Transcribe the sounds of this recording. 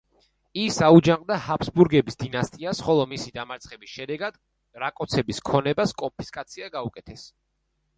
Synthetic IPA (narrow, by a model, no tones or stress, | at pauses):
isaud͡ʒaŋqʼd̪ahapʰsbuɾɡɛbisd̪inast̪ʼiasχɔlˠɔmisid̪amaɾt̪sʰχɛbisʃɛd̪ɛɡad̪̥ | ɾakʼɔt̪sʰɛbiskʰɔnɛbaskʼɔmpʰi̥skʼat̪sʰiaɡaukʼɛt̪ʰɛs